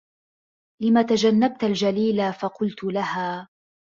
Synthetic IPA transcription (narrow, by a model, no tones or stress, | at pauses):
lɪmaːt̪ad͡ʒanːab̚t̪ald͡ʒaliːlafɑqʊlt̪lahaː